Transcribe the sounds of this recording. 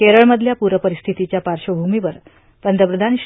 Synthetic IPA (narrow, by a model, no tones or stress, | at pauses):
keɾəɭməd̪ʱljapuɾəpəɾist̪ʰit̪it͡ɕjapaɾʂəbʱumiʋəɾ | pənd̪ʱəpɾəd̪ʱanɕ